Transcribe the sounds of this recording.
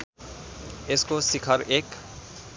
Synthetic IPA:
ɪskosɪkʰəɾeːk

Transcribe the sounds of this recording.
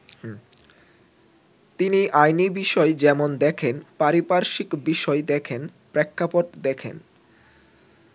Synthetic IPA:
t̪iniʔajnibiʃɔed͡ʑɛmond̪ɛkʰenpaɾipaɾʃikbiʃɔed̪ɛkʰen | pɾɛkʰːapoʈd̪ɛkʰḛn

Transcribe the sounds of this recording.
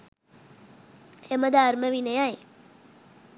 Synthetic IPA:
eməd̪ʱaɾməʋinəjaj

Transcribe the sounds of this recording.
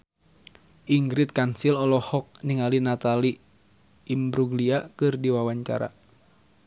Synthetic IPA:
ʔiŋɡɾɪt̪̚kansilɔlɔhɔk̚niŋalinat̪aliː | mbɾuɡliakɨrdiwawaɲt͡ʃa̰ɾa̰

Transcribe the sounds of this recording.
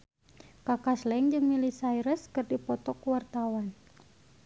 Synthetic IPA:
kakaslɛŋd͡ʒɨŋmilisaiɾəskɨrdipɔt̪ɔkuwart̪awan

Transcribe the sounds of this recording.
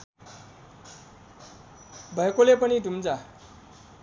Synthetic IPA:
bʱʌekolepʌnidʱumd͡za

